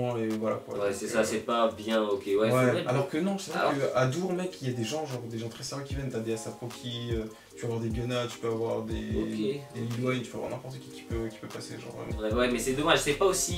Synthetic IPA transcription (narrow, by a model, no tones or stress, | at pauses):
evwala̰kwa̰wɛsɛsasɛpabjɛ̃okʲewɛwɛalɔʁkənɔ̃ʒəsɛʁɛkkəad̪uʁmɛkʰijad̪eʒɑ̃ʒɑ̃ʁd̪eʒɑ̃t̪χɛsɛʁjɛ̃kʲivjɛnt̪ad̪easapχokʲʰiø | t̪y̥pøavwaʁd̪eɡanat̪y̥pøavwaʁd̪eked̪elilwɛɲt̪y̥pøavwaʁnɛ̃pɔʁt̪əkʲɛkʲi̥pøkʲi̥pøvpasḛʒɑ̰̃ʁvʁɛ̰mɑ̰̃ɛwɛmɛsɛd̪ɔmaʒsɛpaosi